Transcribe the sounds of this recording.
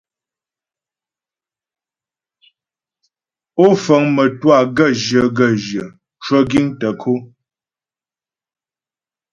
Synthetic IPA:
o˦fə˨˦ŋmə˨twa˦˨ɡə˦˨ʒə˨ɡə˦˨ʒjə˨ | t͡ʃwə˦ɡi˦ŋtə˨kʰo˦

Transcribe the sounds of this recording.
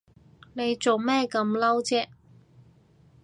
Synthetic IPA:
ne˨˧jt͡so˨wmɛː˥kɐ˧mlɐ˥wt͡sɛː˥

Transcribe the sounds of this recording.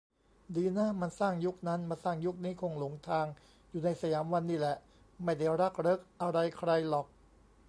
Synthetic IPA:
diː˧naː˥˩ma˧nsaː˥˩ŋju˦˥k̚na˦˥nma˧nsaː˥˩ŋju˦˥k̚niː˦˥kʰo˧ŋlo˨˩˦ŋt̪ʰaː˧ŋ | juː˨˩na˧jsa˧jaː˩˦mwa˧nːiː˥˩lɛ˨˩ʔ | ma˥˩jda˥˩jɾa˦˥˩k̚ɾɤ˦˥k̚ʔa˧ɾa˧jkʰɾa˧jlɔː˨˩k̚

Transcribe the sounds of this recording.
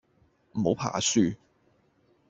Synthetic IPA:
m̩˨˩ho˨˥wpʰa̰ː˨˩syː˧

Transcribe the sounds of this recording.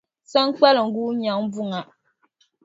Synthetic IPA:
sa˦ŋ˦k͡pa˦lɨ˨ŋ̩˨˦ɡuː˦ɲa˨ŋbʊ˦ŋa˨

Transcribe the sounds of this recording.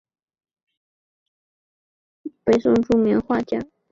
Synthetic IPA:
pe˨˩ɪsʊ˥˧ŋʈ͡ʂu˥˩mi˧˥nxwa˥˧t͡ɕja˥˩

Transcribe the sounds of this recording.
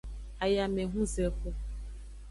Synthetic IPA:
a˨ja˨me˨ɦũ˦ze˨˦ko˦

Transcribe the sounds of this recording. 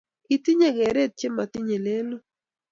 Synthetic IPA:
i˨ti˦ɲe˨ɡɛ˨ɾe˦t̚t͡ʃe˦ma˨ti˦ɲe˨le˦lo˦

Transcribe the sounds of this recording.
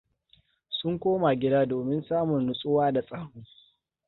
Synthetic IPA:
sʊ˦ŋkʷoː˦ma˨ɡʲɪ˦daː˦doː˨mɪ˦nsaː˦mʊ˨nɽʊ˨sʼʊ˦waː˦da˨sʼaː˦hʊː˦

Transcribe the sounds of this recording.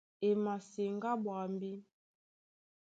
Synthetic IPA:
e˨ma˨si˨ŋ˦ɡa˦bwa˨m˦bi˦

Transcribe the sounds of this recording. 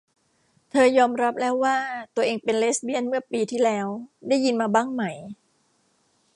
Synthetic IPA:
t̪ʰɤː˧jɔː˧mɾa˦˥p̚lɛː˦˥wːaː˥˩t̪u˧ɐʔeː˧ŋpe˧nleː˦˥sbi˥˩ənmɯ˥˩ɐpiː˧t̪ʰiː˥˩lɛː˦˥wda˥˩jːi˧nmaː˧baː˥˩ŋma˦˩j

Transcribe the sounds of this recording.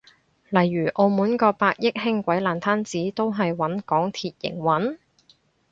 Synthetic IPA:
lɐ˨˩jːyː˨˩ʔo˧wmuː˨˥nkɔː˧paː˧k̚jɪ˥k̚hɪ˥ŋkʷɐ˨˥jlaː˨˩nt̪ʰaː˥nt͡siː˨˥t̪o˥wɦɐ˨jwɐ˨˥nkɔː˨˥ŋt̪ʰiː˨t̚jɪ̰˨˩ŋwɐ˨˥n

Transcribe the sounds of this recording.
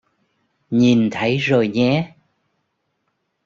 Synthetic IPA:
ɲi˨˩nt̪ʰə˨˦jzo˨˩jɲɛ˨˦

